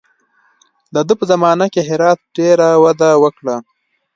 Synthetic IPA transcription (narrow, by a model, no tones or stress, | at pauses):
d̪əd̪əpəzamɑːnakeɦɪɾɑːt̪̚ɖeɾawad̪awəkɽa